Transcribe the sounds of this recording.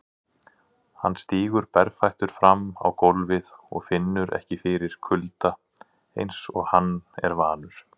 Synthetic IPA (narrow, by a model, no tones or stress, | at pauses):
hanːst̪iːɣʏɾpɛɾfajht̪ʏɾ̥fɾamːa̰wkowlvɪðɔ̰ɣfɪnːʏɾʔɛ̰hcɪfɪɾɪɾ̥kʰʏlt̪a | ḛjnsɔ̰ɣhanːɛ̰ɾvaːnʏɾ̥